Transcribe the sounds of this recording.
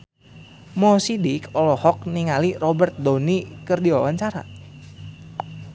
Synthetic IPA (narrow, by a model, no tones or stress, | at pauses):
mɔsidikɔlɔhɔk̚niŋalirɔbərt̪̚donikərdiwawaɲt͡ʃaɾa̰